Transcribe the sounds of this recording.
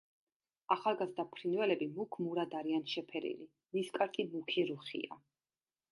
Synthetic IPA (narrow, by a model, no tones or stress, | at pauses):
aχalˠɡazd̪apʰɾinvɛlɛbimukʰmuɾad̪aɾianʃɛpʰɛɾḭli | miskʼaɾkʼimukʰiɾuχḭa̰